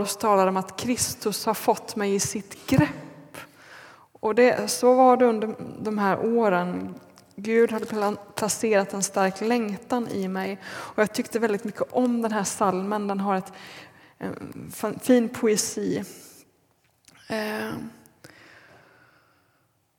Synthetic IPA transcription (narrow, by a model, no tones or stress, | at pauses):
st̪ʰɑːlaɾəɔmat̪kʰɾɪst̪ɵshaɾfɔt̪ːmɛjɪsɪt̪ɡɾɛpː | ɔd̪ɛsɔvaɖɛɵnd̪əd̪ɔmɦæːɾʔoːɾən | ɡʉ̟ːd̪had̪ːəpʰlaseːɾat̪ɛnst̪aɾklɛŋt̪anɪmɛjɔjɑːɡ̚t̪ʰʏkt̪əvɛld̪ɪt̪mʏkːəʔɔmd̪ɛnɦæːʂalmənd̪ɛnɦaɾɛt̪ | fiːnpʰʊɛsiː